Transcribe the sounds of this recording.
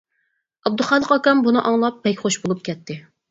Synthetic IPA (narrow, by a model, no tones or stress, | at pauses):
ɑb̚d̪uχɑːlˠəqɑkɑmbunɨʔɑŋlˠɑp̚ːɛkʲχoʃbolˠup̚kʲʰɛt̪ʰːɪ